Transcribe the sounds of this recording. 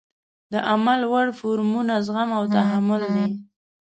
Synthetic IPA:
d̪əʔamalwaɽfoɾmunazɣamawt̪aɦamʊld̪i

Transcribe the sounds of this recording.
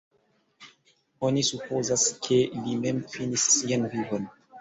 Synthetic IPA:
onisupozaskʰelimemfinisːianvivon

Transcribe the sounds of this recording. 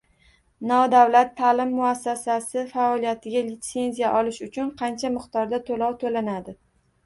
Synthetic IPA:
nɒd̪awlat̪ʰːalɪmːʊasːasasɪfaɒlijat̪ʰɪɡʲalɪt̪se̞nzijaʔɒlɪʃʊt͡ʃʰʊnqʰɑnt͡ʃʰamɨqt̪ɒɾd̪at̪ʰolɒwt̪ʰolanad̪ɪ

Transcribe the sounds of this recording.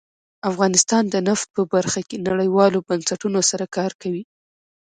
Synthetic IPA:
afɣɑnɪst̪ɑnd̪ənaft̪̚pəbaɾxakenaɽəjwɑlobansaʈunosaɾakɑɾkawi

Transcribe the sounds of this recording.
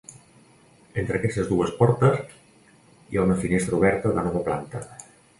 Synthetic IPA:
ent̪ɾəkɛst̪əzd̪uəspɔɾt̪əz | ḭaunəfinest̪ɾəuβɛɾt̪əðənɔβəpla̰nt̪ə

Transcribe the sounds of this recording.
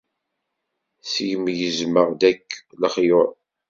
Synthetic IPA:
sjəmjəzməʁd̪ækːləχjoɾˤ

